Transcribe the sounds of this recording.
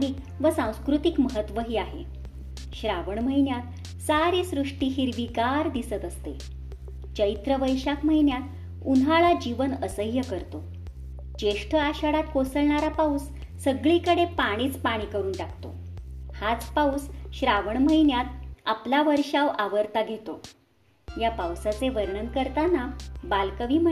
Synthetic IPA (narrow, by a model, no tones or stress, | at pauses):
ɽiːk | ʋəsãw̃skɾut̪ikməɦət̪ːʋəɦiːaɦḛ | ɕɾaʋəɳm̤əɦinjat̪ | saɾiːsɾuʂʈiːɦiɾʋiɡaɾd̪isət̪əst̪e | t͡ɕəit̪ɾəʋəjɕakm̤əɦinjat̪ | unɦaɭad͡ʑiʋənəsəjːəkəɾt̪o | t͡ɕeʂʈʰəaɕaɽat̪̚kosəɭɳaɾapaus | səɡɭikəɽepaɽ̃iːt͡spaɽ̃iːkəɾuːnʈakʰt̪o̰hat͡spausɕɾaʋəɳm̤əjnjat̪aplaʋəɾʂaʋaʋəɾt̪aɡʱet̪o | japawsat͡seʋəɾɳənkəɾt̪anabalkəʋiːmə